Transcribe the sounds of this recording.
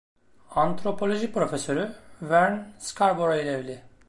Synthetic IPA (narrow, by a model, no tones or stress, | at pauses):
ant̪ʰɾo̞pʰo̞lʲo̞ʒipɾo̞fesø̞ɾyvæɾnskʰaɾboɾajilʲɛvlʲɪ